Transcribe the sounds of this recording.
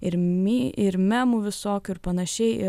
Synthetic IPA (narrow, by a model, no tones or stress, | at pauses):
ɪɾʲiɪɾmʲæːmuːʋʲɪsoːkʲʊɪɾpɐnɐʃʲɛɪʔɪ̰